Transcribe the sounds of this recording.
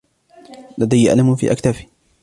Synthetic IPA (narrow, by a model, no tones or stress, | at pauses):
lad̪ajːaʔa̰lamfḭːʔakt̪afi̥